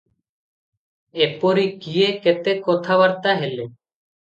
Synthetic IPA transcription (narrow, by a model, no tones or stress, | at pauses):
epɔɾikijeket̪ɛkːɔt̪ʰaβaɾt̪aɦɛlɛ